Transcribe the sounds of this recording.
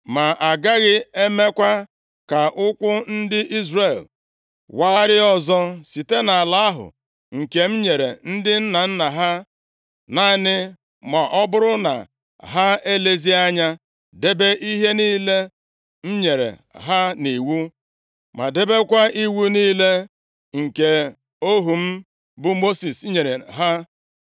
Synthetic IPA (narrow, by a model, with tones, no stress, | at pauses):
ma˨ʔa˨ɡa˦ɣɪ˦e˦me˦kʷa˦ | ka˨ʔʊ˦kʷʊ˦n̩˦dɪ˦ʔi˦zre˨l | wa˦ɾɪ˦ɔ˨zɔ˦si˨te˦na˨a˨la˦a˦ɦʊ̰˨ | ŋ̩˨ke˨m̩˦ɲe˨ɾḛ˨n̩˦dɪ˦n̩˦na˨n̩˦na˨ɦa˦ | na˦˨nɪ˦ | ma˨ʔɔ˦bʊ˦ɾʊ˦na̰˨ | ɦa˦e˦le˦zi˦a˦ɲa˦ | de˦be˦ʔi˦ɦe˦niː˦le˦ | m̩˦ɲe˨ɾḛ˨ɦa˦ni˨wu˦ | ma̰˨de˦be˦kʷa˦ʔi˦wu˦niː˦le˦ | ŋ̩˨ke˨ | o˦ɦu˨m̩˦ | bʊ˦mo˦si˨sɲe˨ɾe˨ɦa˦